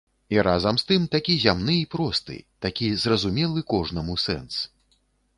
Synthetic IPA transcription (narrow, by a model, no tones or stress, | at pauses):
iɾazɐmst̪ɨmt̪akʲizʲamnɨipɾɔst̪ɨ̰t̪akʲizrɐzumʲɛlˠɨkɔʐnɐmusɛ̰ns